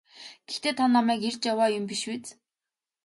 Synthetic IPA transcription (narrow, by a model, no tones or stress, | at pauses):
ɡ̥ext̪eːt̪ʰanːamæːkert͡ɕjawaːjʊmpiʃwet͡s